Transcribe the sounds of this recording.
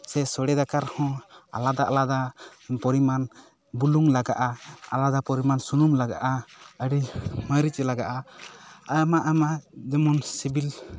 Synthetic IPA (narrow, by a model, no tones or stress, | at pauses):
sɛsɔɽɛd̪akaɾhɔ̃a̰lad̪aʔlad̪apɔɾiman | buluŋlaɡaʔaa̰lad̪apɔɾimansunumlaɡaʔaəɽiməɾit͡ʃlaɡaʔa | ajmaʔamad͡ʒɛmɔnsibil